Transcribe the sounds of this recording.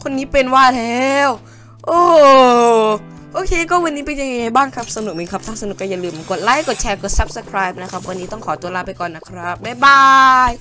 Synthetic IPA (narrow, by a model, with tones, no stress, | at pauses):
kʰo˧nːiː˦˥pe˧nwaː˥˩lɛː˦˥w | ʔoː˧˩ | ʔoː˧kʰeː˧kɔː˥˩wa˧nːiː˦˥pe˧nja˧ŋːa˧jŋa˧˩jbaː˥˩ŋkʰɾa˦˥p̚sa˧nu˨˩k̚me˨˦nkʰa˦˥p̚t̪ʰaː˥˩sa˧n˨˩k̚kaː˥˩ja˨˩lɯː˨˩mko˨˩t̪̚la˦˥jkːɔ˨˩t̪̚t͡ɕʰɛː˧kt̪̚sa˦˥p̚sa˧kʰɾaː˦˥jp̚na˦˥kʰa˦˥p̚wa˧nːiː˦˥t̪ɔ˥˩ŋkʰɔː˩˦t̪u˧ɐlaː˦˥˩pa˧jkɔː˨˩nːa˦˥kʰɾa˦˥p̚daː˧˩baː˧˩j